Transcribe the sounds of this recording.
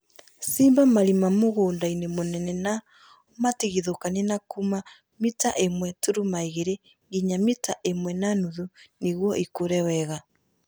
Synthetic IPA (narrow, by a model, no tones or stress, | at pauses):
simbamaɾimamoɣoːndainemonɛnɛna | omateɣiðokanenakuma | mitaʔemwɛtuɾumaeɣeɾe | ŋɡiɲamitaʔemwɛnanuðuniɣwɔʔikoɾɛwɛɣa